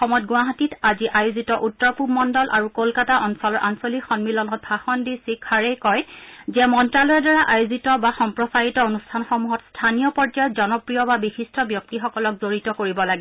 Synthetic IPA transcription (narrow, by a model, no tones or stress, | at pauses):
xɔmɔt̚ɡwaɦatitaziʔajuzitɔʔutːɔɹpumɔndɔlʔa̰ɹukolkataʔɔnsɔlɔɹʔansolixɔnmilɔnɔt̚bʱaxɔndisikʰːaɹejkɔjzɛmɔntɹalɔjɛdaɹaʔajuzitɔbaxɔmpɹɔsajitɔonustʰanxɔmuɦɔtstʰanijɔpɔd͡ʒajɔtzɔnɔpɹijɔbabixistʰɔbjɔk̚tixɔkɔlɔk̚zoɹitɔkoɹibɔlaɡɛ